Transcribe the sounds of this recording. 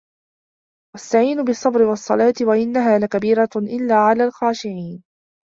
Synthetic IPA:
wast̪aʕiːnʊbɨsˤːɑbɾɪwɑsˤːɑ̰lɑːt̪ɪwaʔɪnːaɦaːlakabiːɾaʔɪlːaːʕalaːlxaːʃɪʕiːn

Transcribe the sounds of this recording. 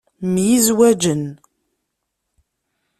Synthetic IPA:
mjizwæd͡ʒən

